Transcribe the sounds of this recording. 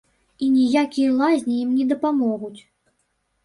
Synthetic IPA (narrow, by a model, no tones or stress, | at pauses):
inʲijakʲijɛlˠazʲnʲiimnʲɛd̪ɐpamɔɣut͡sʲ